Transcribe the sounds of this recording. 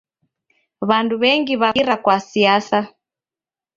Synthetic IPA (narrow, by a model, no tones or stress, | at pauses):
βanduβɛŋɡiβaɾakwasiasa